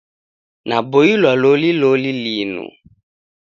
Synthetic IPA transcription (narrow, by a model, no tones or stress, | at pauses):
nãbojilɔlolilolilinṵ̃